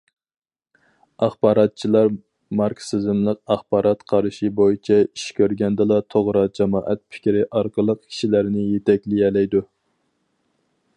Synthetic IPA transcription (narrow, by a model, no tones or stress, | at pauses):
ɑχbɑːɾɑt̪̚t͡ʃʰilˠɑɾ | mɑɾkʰsɪzɪmlˠəqɑχbɑːɾɑt̪qʰɑɾʃibojit͡ʃʰɛiʃkʲʰøɾɡʲɛnd̪ɨlˠɑt̪ʰoʁɾɑd͡ʒɑmɑːʔɛt̪̚pʰɪ̥kʲɾɪʔɑɾqʰəlˠəq̚kʲʰi̥ʃilæɾnɪjet̪ʰɛkʲliɛlɛjd̪u